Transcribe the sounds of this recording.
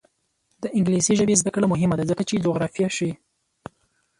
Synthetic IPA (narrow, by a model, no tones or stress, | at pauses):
d̪̥əʔɪŋɡlisiʒəbezd̪akɽamʊɦɪmad̪azəkat͡ʃed͡ʒoɣɾɑfijaʃi